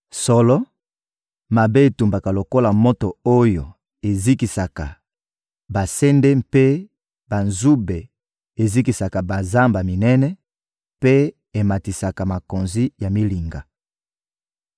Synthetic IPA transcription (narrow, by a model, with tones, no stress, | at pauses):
sɔ˦lɔ˦ | ma˨be˦e˨tu˨mba˨ka˨lo˨ko˦la˨mo˦to˨o˦jo˨ | e˨zi˦ki˨sa˨ka˨ | ba˨sɛ˦nde˦mpe˦ | ba˨nzu˦be˨ | e˨zi˦ki˨sa˨ka˨ba˨za˦mba˨mi˨nɛ˦nɛ˦ | pe˦ | e˨ma˨ti˨sa˨ka˨ma˨ko˨nzi˦ja˨mi˦li˨ŋɡa˨